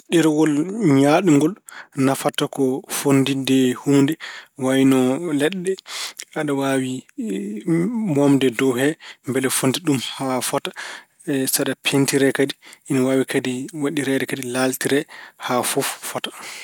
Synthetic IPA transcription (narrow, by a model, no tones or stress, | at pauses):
ɗɛɾwɔlɲaɗuŋɡɔlnafatakɔfondidɛhuːndɛwawinɔlɛɗːɛaɗawawi | mɔmdɛdɔɦɛmbɛlɛfondiɗumhafɔtḁ | saɗapʰentiɾɛkadiʔinawaːwikʰadiwaɗiɾɛɗɛkadilaltiɾɛhafɔfːɔtḁ